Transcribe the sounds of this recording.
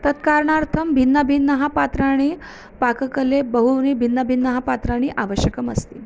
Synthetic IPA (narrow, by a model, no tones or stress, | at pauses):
t̪ət̪kaɾɳaɾt̪ʰəmbʱinːəbʱinːəɦapat̪ɾaɽ̃iː | pakkəlebəɦunibʱinːəbʱinːəɦapat̪ɾaɽ̃iːʔaʋəɕjəkəməst̪iː